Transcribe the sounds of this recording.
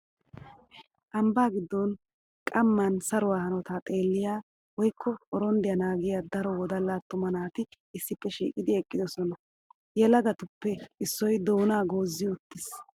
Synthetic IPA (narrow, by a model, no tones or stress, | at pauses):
ʔɐmbaːɡɪd̪ːɔn | kʼɐmːɐnsɐɾʊwaːhɐnɔt̪at̪ʼe̞ːlːɪjaː | wɔjkʰːɔɔɾɔnd̪ɪjɐnaːɡɪjaːd̪ɐɾɔwɔd̪ɐlːaːt̪ːʊmɐnaːt̪ɪ | ɪsːɪpːɛʃḭːkʼɪd̪ɪɛkʼːɪd̪ɔsɔnɐ | jɛlɐɡɐt̪ʊpːɛɪsːɔjd̪oːnaːɡoːzːɪjʊt̪ːɪs